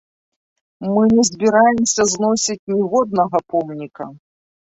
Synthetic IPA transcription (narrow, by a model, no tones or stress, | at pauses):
mɨnʲɛzʲbʲiɾajɛmsʲɐznɔsʲit͡sʲnʲivɔd̪̚nɐɣɐpɔmnʲikɐ